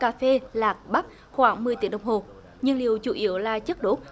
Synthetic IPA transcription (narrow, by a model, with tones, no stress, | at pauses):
kaː˧fe˧laː˨˩k̚ɓa˦˥t̚ | xwaː˨˦ŋmɨ˨əjt̪ḭ˧˦ɗə˨˩wŋ͡mɦo˨˩ | ɲɨ˧ŋli˨˩əwt͡ɕṵ˧˩ʔi˧˩˦əwlaː˨˩t͡ɕə˦˥k̚ɗo˨˦˥